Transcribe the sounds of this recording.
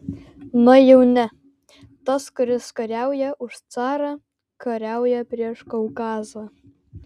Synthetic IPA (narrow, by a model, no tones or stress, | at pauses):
nojɛwnʲɛ | t̪ɐskʊɾʲɪskɐɾʲæwjɛʔʊʃt͡sɑːɾɑ | kɐɾʲæwjɛpʲɾʲiɛʃkɐwkɑːzɐ